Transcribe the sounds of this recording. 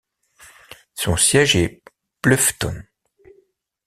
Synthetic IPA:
sɔ̃sjɛʒɛ | blœft̪ɔ̰n

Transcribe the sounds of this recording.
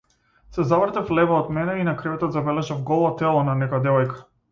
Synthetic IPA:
sɛzavɾt̪aflɛvaɔd̪mɛnɛinakɾɛvɛt̪ɔt̪zabɛlɛʒafɡɔlˠɔt̪ɛlˠɔnanɛkɔjad̪ɛvɔjkḁ

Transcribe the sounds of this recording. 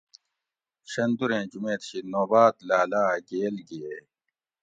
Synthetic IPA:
ɕɐnd̪uɾẽːd͡ʑumeːt̪ɕinoːbaːt̪laːlaːɡeːlɡie

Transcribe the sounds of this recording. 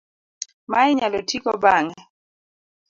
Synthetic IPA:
maɪɲalɔtʰikɔbaŋɛ

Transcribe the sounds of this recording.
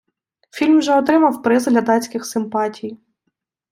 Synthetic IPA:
fʲilʲmʒɛɔt̪ɾɪmɐwpɾɪzd̪ʲlʲɐd̪ɑt͡sʲkɪxsɪmpɑtʲʰij

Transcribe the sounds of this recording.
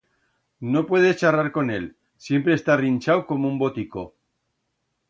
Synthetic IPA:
no̞pwe̞ð̞et͡ʃaraɾko̞ne̞l | sje̞mpɾeːst̪arinʲt͡ʃawko̞moumbo̞t̪iko̞

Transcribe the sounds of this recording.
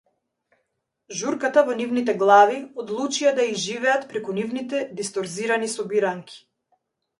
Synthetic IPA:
ʒuɾkat̪avɔnivnit̪ɛɡlˠaviɔd̪lˠut͡ʃiad̪aiʒivɛat̪pɾɛkunivnit̪ɛd̪ist̪ɔɾziɾanisɔbiɾaŋkʰʲi̥

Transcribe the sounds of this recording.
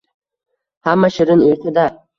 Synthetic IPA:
hamːaʃɪɾɪneɾt̪ʰɪd̪a

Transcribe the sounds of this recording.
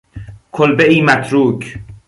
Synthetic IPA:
kʰolbeʔiːmæt̪ʰɾuːk

